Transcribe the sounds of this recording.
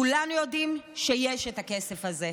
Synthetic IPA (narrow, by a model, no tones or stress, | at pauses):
ulanujo̞dimʃejeʃetake̞sefaze